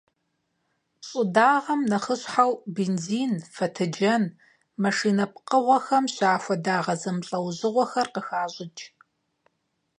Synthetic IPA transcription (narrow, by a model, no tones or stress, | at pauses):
ɕʼʊdaːʁɐmnɐχəɕħawbeːnziːnfɐtʰɨd͡ʒɐn | mɐʂiːnɐp̚qəʁʷɐxɐmɕaːfʷɐdaːʁɐzɐmɬʼɐwʑɨʁʷɔxɐrqəxaːʑɪd͡ʒʼ